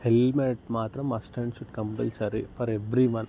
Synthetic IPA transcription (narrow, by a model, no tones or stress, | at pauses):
helmeʈmaːt̪ɾɐmɐsʈẽɳɖʃuɖkɐ̃mʈɐlsɐɾifʰɔɾeʋɾiʋɐ̃n